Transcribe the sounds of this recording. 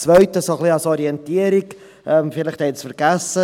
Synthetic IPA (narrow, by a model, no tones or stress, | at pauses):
t͡svœʏtəsoχliasɔɾiɛntiəɾɪk | ɛmfɪləχd̥ɛt͡sfəɾɡasə